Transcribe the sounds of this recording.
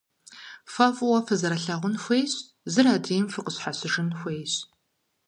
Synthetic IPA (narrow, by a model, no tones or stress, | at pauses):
fɐfwɐfɐzɐɾɐɬɐʁʷʊnxʷeːjɕ | zɨɾaːdiːjmfɨqəɕħasɨʐɨnxʷejɕ